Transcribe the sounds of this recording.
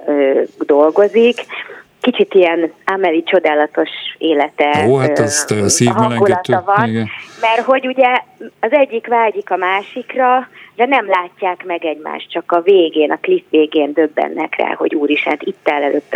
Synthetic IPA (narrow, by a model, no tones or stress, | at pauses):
øːd̪o̞lɡo̞zik | kːit͡ʃit̪ijɛnamɛlit͡ʃo̞d̪aːlɒt̪o̞ʃeːlɛt̪ɛoːɦat̪ɛzt̪ɛssiːɦɒnɡullɒt̪ːɒvɒnɡnmɛrɦo̞ɟuɟɛɒzɛɟːikʋaːɟikɒmaːʃikrɒrɛnɛmlaːcːaːkmɛɡɛɟma̰ːʃt̪̚t͡ʃɒkɒveːɡeːnʔɒklifʋeːɡeːnd̪ø̞bːɛ̰nːɛ̰krɛ̰ːɦo̞̰ɟuːɾiʃɛnt̪it̪ːɛlɛløːt̪ː